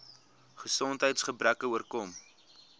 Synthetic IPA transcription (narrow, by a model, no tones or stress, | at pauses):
χəsɔntɦəjtsχəbrækəuərkɔm